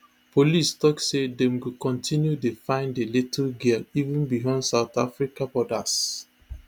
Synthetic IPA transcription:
polistɔksedɛ̃mɡukɔ̃ntʰĩnjudefãɪ̃ndeletʰəlɡilivũnbijɔ̃ndsaʊt̪afɹikabɔdas

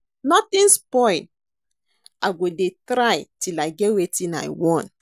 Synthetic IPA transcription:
nɔtĩnspɔj | aɡodetɾajtilaɡɛwetĩna̰jwɔ̃n

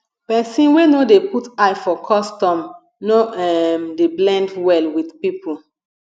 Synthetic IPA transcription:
pɛsĩnwenodeputajfɔkʰɔstɔ̃m | noɛmdeblɛ̃ndwɛlwidpipʰul

